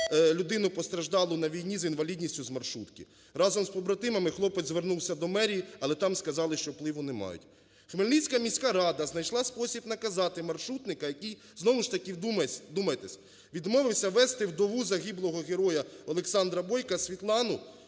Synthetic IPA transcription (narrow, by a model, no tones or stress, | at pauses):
lʲʊd̪ɪnʊpɔst̪ɾɐʒd̪ɑlˠʊnɐʋʲijnʲizinʋɐlʲidʲnʲisʲtʲʊzmɐrʃut̪kɪ | ɾɑzɔmspɔbɾɐt̪ɪmɐmɪxlˠɔpɛd̪zʋernuwsʲɐd̪ɔmɛɾʲijiɐlˠɛt̪ɑmskɐzɑlˠɪʃt͡ʃɔplˠɪʋʊnɛmɑ̰jʊ̰tʲ | xmelʲnʲijsʲkɐmʲisʲkaɾɑd̪ɐznɐjʃlˠɑspɔsʲibnɐkɐzɑt̪ɪmɐrʃut̪nɪkɐjɐkij | znɔʋʊʃt̪ɐkid̪umɐd̪umɐjet̪ɛsʲ | ʋʲid̪mɔʋɪwsʲɐʋɛst̪ɪwd̪ɔʋuzɐɣʲiblˠɔɦɔɣeɾɔjɐɔlˠeksɑnd̪ɾɐbɔjkɐsʲʋʲit̪lˠɑnʊ